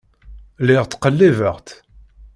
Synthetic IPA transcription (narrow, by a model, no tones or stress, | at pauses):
lɪʁt̪qəlːevəʁt̪